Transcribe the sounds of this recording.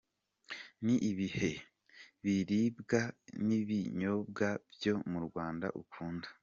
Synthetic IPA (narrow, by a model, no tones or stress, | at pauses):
niʔiβihe̞ | βiɾibɡaniβiɲo̞b̚ɡabjo̞muɾɡwaːnda̰ʔṵkʰuːnda